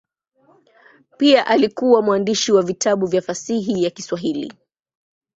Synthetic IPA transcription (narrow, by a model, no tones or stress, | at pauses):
piaʔalikuwamwandiʃiwavitʰaɓuvjafasiɦijakiswaɦilḭ